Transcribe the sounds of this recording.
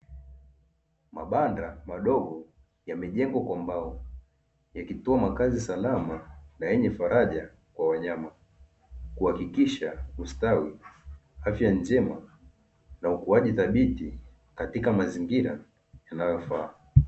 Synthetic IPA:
maɓandamaɗɔɡɔ | jamɛʄɛŋɡwakwambaɔ | jakitɔamakazisalamanajɛɲɛfaɾaʄa | kwawaɲama | kuhakikiʃaustawi | afjand͡ʒɛma | naukuaʄiθaɓiti | katikamaziŋɡiɾa | janajɔfaː

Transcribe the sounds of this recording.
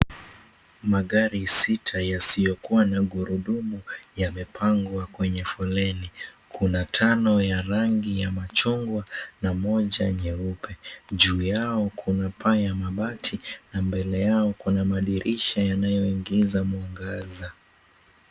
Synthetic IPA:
maɠaɾisitʰajasijɔkuwanaɠuɾuɗumujamɛpʰaŋɡwakwɛɲɛfɔlɛni | kʰunatʰanɔjaɾaŋɡijamat͡ʃuŋɡwanamɔʄaɲɛupʰɛʄuːjaɔkʰunapʰajamaɓatʰinambɛlɛjaɔkunamaɗiɾʔiʃajanajɔiŋɡizamuɔŋɡaza

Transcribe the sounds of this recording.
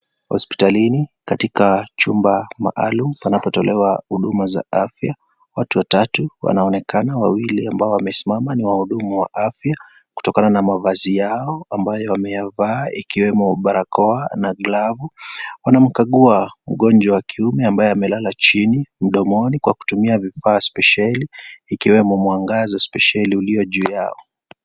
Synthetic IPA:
hɔ̰spi̥talinikatikat͡ʃumbama̰ʔalum̩panapɔtɔlʔɛwahuɗumaza̰ʔafja | watuwatatuwa̰naɔnɛkanawawiliambaɔwamɛsimamaniwahuɗumawaʔafja | ku̥tɔkananamavazijaɔambajɔwamɛjavaːikiwɛmɔɓaɾakɔanaɡlavuwanam̩kaɠuam̩ɠɔnd͡ʒwawakʰiumɛambajɔamɛlalat͡ʃinim̩ɗɔmɔnikwaku̥tumiavifaːspɛʃaliːkiwɛmɔmwaŋɡazaspɛʃaliuliɔʄuːja̰ɔ

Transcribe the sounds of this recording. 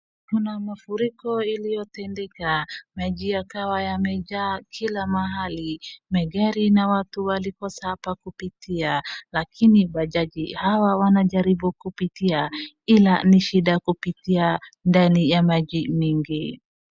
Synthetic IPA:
kunamafuɾikɔilijɔtɛndɛkamad͡ʒijakawajamɛd͡ʒaːkʰilamaɦalimɛɡɛɾinawatuwalikɔsapakupitialakʰinibaʄad͡ʒihawawanaʄaɾibukupitia | ilaniʃiɗakupitiandanijamad͡ʒimiŋɡi

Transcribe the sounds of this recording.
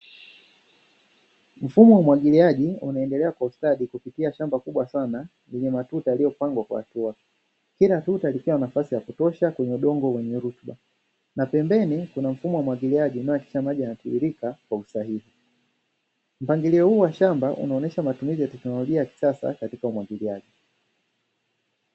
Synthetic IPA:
m̩fumɔwamwaɠiliaʄiunaɛndɛlɛakwaustaɗikupitiaʃambakuɓwasana | jɛɲɛmatutajalijɔpaŋɡwakwa̰hːtua | kilatutalikiwanafasijakutɔʃakwɛɲɛuɗɔŋɡɔwɛɲɛɾutɓa | napɛmbɛnikunam̩fumɔwamwaɡiliaʄinaɔjaki̥ʃamaʄianatuiɾikakwausaɦihi | m̩paŋɡiliɔhuːwaʃambaʔṵnaɔnɛʃamatumizijatɛknɔlɔʄiajaki̥sasa̰katikaumwaɡiliaʄi

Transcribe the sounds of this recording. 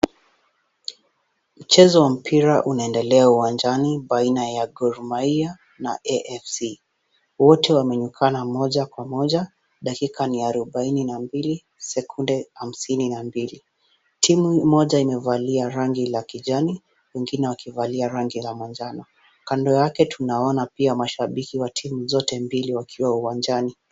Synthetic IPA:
m̩t͡ʃɛzɔwam̩pʰiɾaʔunaɛndɛlɛauwand͡ʒaniɓainajaɡɔɾmaia | naʔɛʔɛfsi | wɔtɛwamɛɲukʰanamɔʄakwamɔʄa | ɗakikaniaɾɔɓaininambili | sɛkʰundɛham̩sininambili | tʰimumɔʄaimɛvaliaɾaŋɡilakiʄani | wɛŋɡinɛwakivaliaɾaŋɡilamand͡ʒanɔ | kandɔjakɛtʰunaɔnapiamaʃaɓikiwatʰimuzɔtɛmbiliwakʰiwauwand͡ʒani

